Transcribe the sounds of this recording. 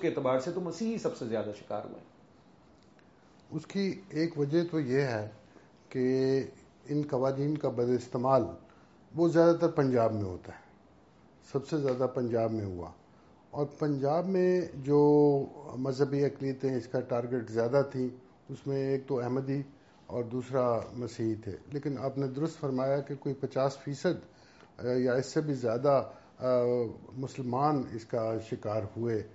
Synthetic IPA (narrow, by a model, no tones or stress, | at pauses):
keeːt̪ɪbaːɾset̪omɐsiːɦisɐbsezjaːd̪aʃɪ̥ka̰ːɾɦṵḛ̃ | ʊskieːkʋɐd͡ʒəɦt̪ojeɦɛ | ke | ɪnkɐʋaːɾiːnkabɐd̪lɪst̪eːmaːl | ʋozjaːd̪at̪ɐɾpɐ̃ɲd͡ʒaːbmẽɦo̰ːt̪aɦɛː | sɐbsezjaːd̪apɐ̃ɲd͡ʒaːbmẽɦṵa̰ː | ɔːɾpɐ̃ɲd͡ʒaːbmẽd͡ʒoː | mɐzɦəbiɐkliət̪ẽɪskaʈaːɾɡeʈzjaːd̪at̪ʰĩ | ʊsmẽeːk̚t̪oɛɦməd̪i | ɔːɾd̪uːsɾamɐsiːɦit̪ʰḛːleːkɪnaːpned̪ʊɾʊst̪fɐɾmaːjakekoːipɐt͡ʃaːsfiːsəd̪ | jaɪsːebʱizjaːd̪a | mʊsəlmaːnɪ̰skaʃɪkaːɾhue